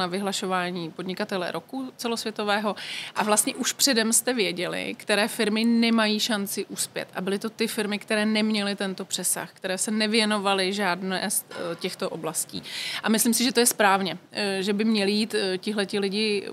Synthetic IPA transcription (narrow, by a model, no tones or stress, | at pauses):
navɪɦlaʃo̞vaːɲiːpo̞dɲɪkat̪ɛlɛ̰ɾʔokut͡sɛlo̞svjɛt̪o̞vɛːɦo̞ʔavlast̪ɲɛʔuʃpr̝̥ɛdɛmst̪ɛvjɛɟɛlɪ̰kt̪ɛɾɛːfɪɾmɪnɛmajiːʃant͡sɪʔuspjɛ̰t̪ʔa̰bɪlɪt̪o̞t̪ɪfɪɾmɪkt̪ɛɾɛːnɛmɲɛlɪt̪ɛnt̪o̞pr̥ɛsa̰xkt̪ɛɾɛːsɛnɛvjɛno̞valɪʒaːdnɛːst̪cɛxt̪oʔo̞blascḭːʔamɪslimsɪʒɛt̪ojɛspɾaːvɲɛʒɛbɪmɲɛlɪjiːt̪cɪɦlɛt̪ɪlɪɟɪ